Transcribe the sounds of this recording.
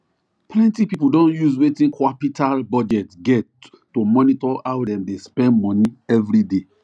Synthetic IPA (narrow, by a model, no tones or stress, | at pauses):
pʰlɛ̃ntipipudõnjuzwetĩnkʰwapitʰalbɔd͡ʒɛtɡɛtː | omɔnitɔawdɛ̃mdespɛ̃ndmɔ̃niɛvɾide